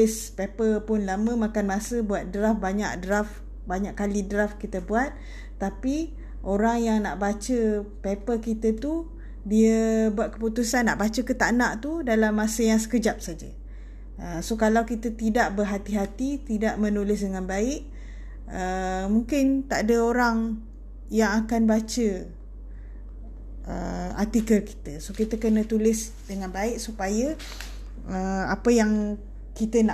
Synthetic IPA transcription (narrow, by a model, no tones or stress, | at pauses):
ɪspepəlpʊnlamə̃makanmasəbuat̪̚dɾafbaɲa̰ʔdɾaf | baɲaʔkːalidɾafkit̪əbuat̪̚ː | api | ʔoɾaŋjaŋnaʔbat͡ʃəpepəkit̪ət̪u | diəbuat̪̚kə̥put̪usanːaʔbat͡ʃəkət̪aʔnaʔt̪udalamːasəjaŋsə̥kəd͡ʒap̚sad͡ʒə̰ | əsokalawkit̪ət̪idaʔbərɦat̪iɦat̪it̪idaʔmə̃nulɪs̬dəŋanbaɪʔ | əmuŋkɪnt̪aʔadəoɾaŋ | jaŋakanbat͡ʃə | ə̰at̪ikəlki̥t̪əsokit̪əkənə̃t̪ulɪs | dəŋãnbaɪʔsupajə | əapəjaŋ | kit̪əna